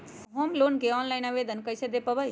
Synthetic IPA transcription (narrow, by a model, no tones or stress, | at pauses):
ɦomlonkeɔnlajnaβed̪ənkəjsed̪epəbəj